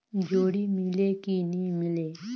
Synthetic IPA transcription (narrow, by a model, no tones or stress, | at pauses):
d͡ʑʱoɽimilekinimile